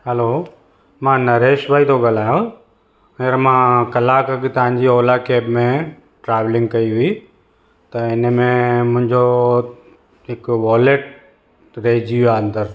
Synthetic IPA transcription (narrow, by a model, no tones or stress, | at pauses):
hɛlo | mãːnɐɾeːʃʋaːit̪ʰoɡal̤aːjõ | ɐəɾmãːkɐlaːkəkt̪ɐʋ̤ãɲd͡ʑiɔːlakeːbmẽ | ʈɾaːʋlɪ̃ŋɡkɐiɦʊi | t̪ɐɪnmẽmʊ̃ɦɪ̃ɲd͡ʑo | ɦɪkʋɔːleʈ | ɾeɦːd͡ʑiaə̃nd̪əɾ